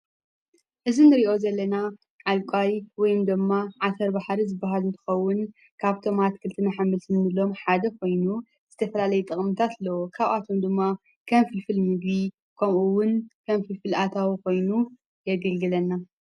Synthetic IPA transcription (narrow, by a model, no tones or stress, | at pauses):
ʔɨzinɨɾiʔo̞zɐlːɐna | ʕalkʼajwɔjɪmd̪ɨmːaʕasɐɾbaħɾizɨbːaɦalnt̪ʰɨ̥xɐwːʊn | kʰaβt̪ʰo̞mat̪kʰɨlt̪ʰɨnaħambɨlsɨnnɨlo̞mħad̪ɐkʰo̞jnu | z̥ɨt̪ʰɐfɐlalɐjɛt̪ʼɨχʼmɨt̪ʰat̪lːɐwokʰaβʔat̪ʰomd̪ɨmːa | kʰɐmfɨlfɨlmɨɡbi | kʰɐmʔuwʊnkʰɐmfɨlfɨlat̪ʰawiko̞jnu | jɛɡɐlɡɨlɐnːa